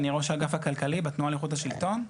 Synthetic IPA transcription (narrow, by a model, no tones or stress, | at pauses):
niʁoʃaɡafhakalkalibet̪nualiχutaʃilt̪o̞n